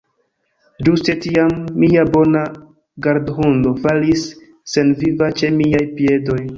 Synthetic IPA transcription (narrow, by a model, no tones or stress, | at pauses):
d͡ʒuste̞tiamːiabo̞na | ɡaɾdhundo̞falisː | e̞nvivat͡ʃe̞miajpie̞do̞j